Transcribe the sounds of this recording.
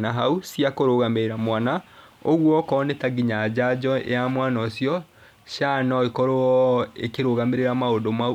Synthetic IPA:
naɦausiakoɾoɣameɾeɾamwana | oɣwɔkɔːnɛtaɡiɲad͡ʑad͡ʑɔḛjamwanɔsjɔ | ʃanɔekɔɾoɔḛkeɾoɣameɾeɾamaodoma

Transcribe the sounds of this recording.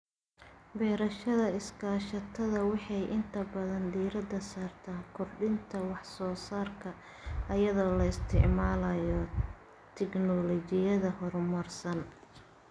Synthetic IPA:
bɛːɾɐʃɐðɐɪskʰaːʃɐt̪ʰɐðɐwɑħɑjʔɪnt̪ʰɐbɐðɐnd̪iːɾɐd̪ɐsaːrt̪ʰaːŋkʰʊrɖɪnt̪ʰɐwɑħsɔːsaːrkʰɐ | ʔɐjɐðɔːlɐɪst̪ʰɪʕmaːlɐjɔ | t̪ʰɛknɔlɔt͡ʃɪjɐðɐɦɔrmɐrsɐn

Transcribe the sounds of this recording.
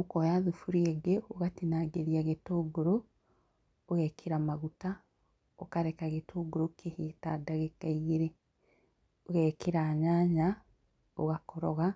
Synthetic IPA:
okojaðufuɾieɡeoɣatinaːɡeɾiaɣetoːɡoɾoː | ɣɛkʰeɾamaɣuta | okaɾekaɣetʰoːɡoɾokʰehita̰daɣekaiɣeɾe | oɣɛkeɾaːɲaːɲa | oɣakʰɔɾɔɣa

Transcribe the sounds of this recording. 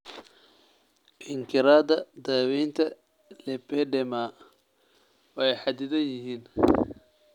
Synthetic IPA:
ʔɪŋkʰɪɾaːd̪ɐd̪aːwɛjnt̪ʰɐ | lɛpɛɖɛma | wɛjħɑd̪ɪðɐnjɪɦiːn

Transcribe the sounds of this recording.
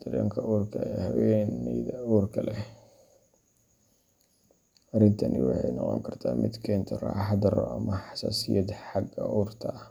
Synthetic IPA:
d̪̥ɐɾɛːŋkʰɐʔuːrkʰɐjhɐwɛnɛjðɐuːrkʰɐlɛ | ɐrɪnt̪ʰɐnɪ̰wɑħɑjnɔqɔ̰ŋkʰɐrt̪ʰaːmɪd̪kʰɛːnt̪ʰɔrɑːħɑd̪ɐrɔ̰ɐmɐħɑ̥saːsɪjɐd̪ħɑɡɐ̰ʔuːrt̪ʰɐ

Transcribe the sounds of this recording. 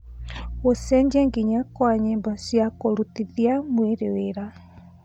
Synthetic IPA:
osɛɲd͡ʑɛŋɡiɲakwaɲembasjakoɾutiðiamweɾeweɾa

